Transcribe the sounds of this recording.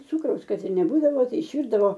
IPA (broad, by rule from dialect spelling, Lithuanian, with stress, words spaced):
ˈt͡suːkrɐʊs ˈkɐt ɪr nʲɛˈbuːdɐʋoː ˈtɐɪ ɪʃʲˈʋʲiːrdɐʋoː